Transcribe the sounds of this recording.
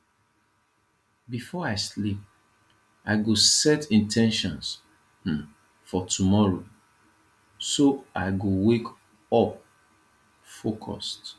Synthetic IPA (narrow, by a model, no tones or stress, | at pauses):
bifɔaɪslip̚ | aɪɡosɛtĩntʰɛ̃nʃɔ̃ns̩ | fɔtʰumɔɹo | soʔaɪɡowek | ɔp̚ | fokʰɔ̰st